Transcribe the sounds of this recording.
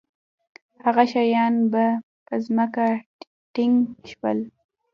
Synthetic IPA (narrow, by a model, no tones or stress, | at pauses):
haɣaʃajɑnba | pəzməka | ʈɪŋɡʃwə̰l